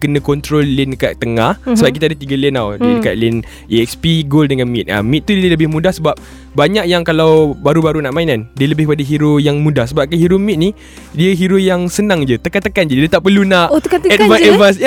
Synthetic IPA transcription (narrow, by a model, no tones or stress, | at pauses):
kənə̃kɔnt̪ɾolːɪnkaʔt̪əŋahsəbaiʔkit̪adat̪iɡalinawlɪnka̰ʔlɪn | iɛkspiɡoldəŋanmit̪̚a̰mit̪̚t̪ːudiəələbɪhmũdahsəbap̚ | baɲak̚jaŋkalawbaɾubaɾunaʔmainandiələbɪhəpadaɦiɾojaŋmũdahsəbap̚kəɦiɾomit̪̚ni | diəɦiɾojaŋsənãŋd͡ʒət̪əkat̪əkand͡ʒədət̪aʔpərlunaʔ̪kaɛt̚maɛvas̬